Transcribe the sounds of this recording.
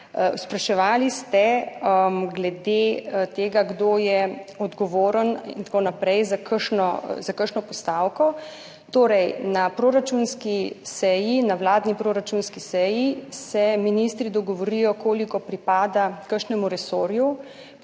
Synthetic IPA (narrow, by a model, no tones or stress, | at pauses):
spɾaʃɛʋaːlist̪ɛ | ɡlɛd̪et̪eːɡaɡd̪oːjɛɔd̪ɡɔʋoːɾənḭnt̪konapɾɛjzakəɾʃnɔzakəɾʃnɔpɔst̪awkɔ | t̪oːɾɛjnapɾoɾat͡ʃunskisɛjinawlaːd̪nipɾoːɾat͡ʃunskisɛjisɛminist̪ɾid̪ɔɡɔʋɔɾijɔkoːlikɔpɾipaːd̪akəɾʃnɛmuɾɛsoɾju